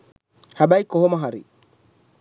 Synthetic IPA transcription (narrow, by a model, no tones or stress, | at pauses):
habaikɔɦɔmaɦaɾḭ